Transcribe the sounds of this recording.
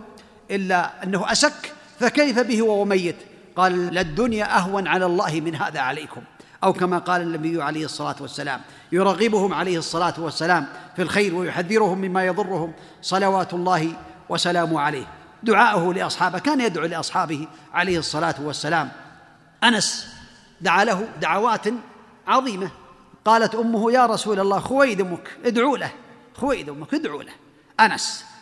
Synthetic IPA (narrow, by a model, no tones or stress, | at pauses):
ʔɪlːaʔanːahʊʔasakː | fakajfabɪhɪwawamajːɪt̪ | qɑːlalɪd̪ːʊnjaʔaɦwanʕalalˤːɑːhɪmɪnɦa̰ːðaʕalajkʊmʔawkamaqɑːlanːabɪjːʊʕalajhɨsˤːɑlaːt̪wasːala̰ːm | jʊɾˤɑːɣɪbʊhʊmʕalajhɨsˤːɑlaːt̪wasːalaːmfilxajɾwajʊħaðːɪɾʊhʊmːɪmːaːjɑðˤʊrːʊhʊm | sˤɑlawaːt̪ʊlˤːɑːhɪ | wʔɑsalaːmʊhʕalajh | d̪ʊʕaːʔʊhʊlɪʔɑsˤħɑːbɪhkaːnjad̪ʕuːlɪʔɑsˤħɑːbɪhiʕalajhɨsˤːɑlaːt̪wasːalaːm | ʔanas | d̪aʕaːlaɦʊd̪aʕawaːt̪ | ʕɑðˤiːma | qɑːlat̪ʔʊmːʊhʊjaːɾˤɑsuːlalːaːxʊwajd̪ɪmʊkʔɪd̪ʕuːlah | xʊwajd̪ʊmːʊkʔd̪ʕṵːlah | ʔanas